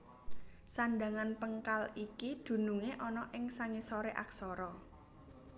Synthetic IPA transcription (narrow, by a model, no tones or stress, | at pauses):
sanɖa̤ŋanpəŋkalikid̪̥ṳnuŋeʔɔnɔʔɪŋsaŋisɔɾeʔa̰ksɔɾɔ